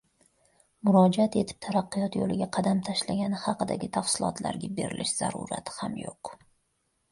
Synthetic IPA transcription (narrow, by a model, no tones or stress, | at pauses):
mʊɾɒd͡ʒat̪e̞t̪ʰɪ̥p̚t̪ʰaɾɑqːɨjɒt̪jo̰lɪɡʲaqʰɑd̪amt̪ʰaʃlaɡʲanɪhɑqɨd̪a̰ɡʲɪt̪ʰafsɪlˠɒ̰t̪ʰla̰ɾɡʲabe̞̰ɾɪ̰lʔɪʃz̥a̰ɾṵɾa̰t̪ʰɪ̥hamjo̰q